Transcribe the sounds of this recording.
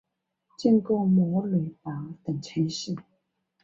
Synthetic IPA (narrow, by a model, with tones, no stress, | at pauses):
t͡ɕɛ˥˧nkɔ˥˩mɔ˧˥˦le˨˩ɪpa˨˥˦t̪ə˨˩ŋt͡ɕʰe˧˥˦ʂ̩˥˩